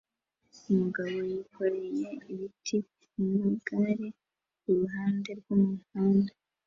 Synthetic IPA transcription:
umuɡaβo̞jikʰo̞ɾejeiβitʰi | nuɡaɾe | uɾuɦaːnde̞ɾɡumuhaːnda

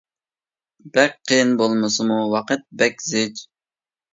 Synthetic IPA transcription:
bɛk̚ʲqʰəjɪnbolˠmɨsɨmuwɑqət̪̚bɛkʲzɪd͡ʒ

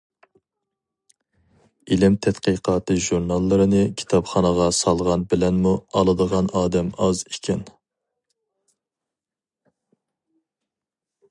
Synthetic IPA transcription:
ilɪmt̪ʰɛt̪qəqʰɑːt̪ʰɨʒuɾnɑlˠːɨɾɨnɨkʲʰi̥t̪ʰɑpχɑnəʁɑsɑlˠʁɑnbɪlɛnmuɑlˠɨd̪əʁɑnʔɑːd̪ɛmɑzikʲʰɛn

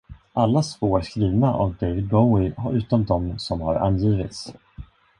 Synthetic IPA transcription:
ʔalːasvoːɾskɾiːvnaʔɔvd̪ejvɪd̪̚bɔwɪhaʉ̟ːt̪ɔmd̪ɔmsɔmhaɾa̰nːjiːvɪt̪s

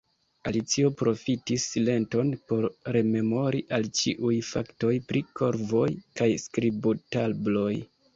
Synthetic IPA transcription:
alit͡sio̞pɾo̞fitisːile̞nto̞npo̞ɾːe̞me̞mo̞ɾiʔalt͡ʃiʔujfa̰kto̞jpɾʔikʰo̞ɾvo̞jkajskɾibotalblo̞j

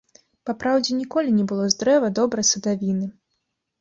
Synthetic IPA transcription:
papɾawd͡zʲɛnʲikɔlʲinʲɛbɨlˠɔzd̪ɾɛvɐd̪ɔbɾɐjsɐd̪avʲinɨ

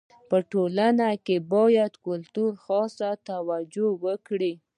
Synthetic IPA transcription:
pəʈolanakebɑjad̪kʊlt̪uɾxɑsat̪awad͡ʒowəkɽi

